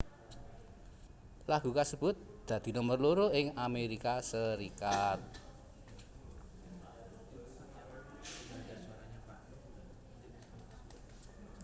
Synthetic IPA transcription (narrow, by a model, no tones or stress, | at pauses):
laɡ̥ṳkasəb̥ʊ̤t̪̚d̪̥ä̤d̪̥i̤nɔmərloɾoɪŋameɾikasəɾikat̪̚